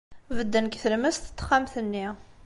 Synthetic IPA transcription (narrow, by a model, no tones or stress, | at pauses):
vəd̪ːənkθəlmæst̪ə̥t̪ːχamθənːi